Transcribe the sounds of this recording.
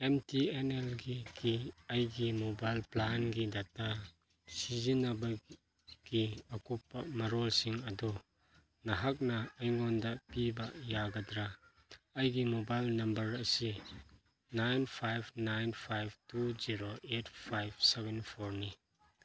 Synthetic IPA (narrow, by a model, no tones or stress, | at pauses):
emtienelɡiɡiɐjɡimobajlplanɡidatːa | sizinɐbɐ | ɡ̥iɐkupːɐmɐɾɔlsiŋɐdu | nɐɦak̚nɐːjŋɔndɐʔpibɐʔjaɡɐdɾa | ɐjɡimobajlnɐmbɐɾɐsi | najnpʰajbnajnpʰajb̚tuziɾoʔetpʰajbsɛbɛnpʰɔɾni